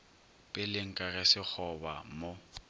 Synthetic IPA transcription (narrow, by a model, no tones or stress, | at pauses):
pʼɪlɪŋ̩kʼaɣɛsɪk͡xʰɔba̰mo